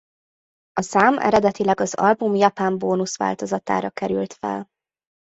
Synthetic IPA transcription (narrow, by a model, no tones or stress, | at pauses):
ɒsaːmʔɛ̰ɾɛd̪ɛt̪ilɛɡɒzɒ̰lbumjɒpaːmboːnusʋa̰ːlt̪o̞zɒt̪a̰ːɾɒkɛɾylt̪fɛ̰l